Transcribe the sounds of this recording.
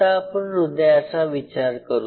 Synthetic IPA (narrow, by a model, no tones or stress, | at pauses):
aːpəɳɾud̪ʱjaəsaʋit͡ɕaɾkəɾu